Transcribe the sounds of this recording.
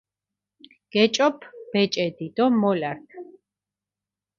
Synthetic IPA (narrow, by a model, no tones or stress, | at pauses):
ɡ̥ɛt͡ʃʼɔpʰb̥ɛt͡ʃʼɛd̪id̪̥ɔmɔlaɾtʰ